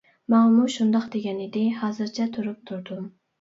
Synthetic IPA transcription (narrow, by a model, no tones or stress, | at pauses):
mɑmuʃund̪ɑqd̪eɡʲɛnɪd̪ɪhɑːzɨɾt͡ʃʰɛt̪ʰuɾup̚t̪ʰuɾd̪um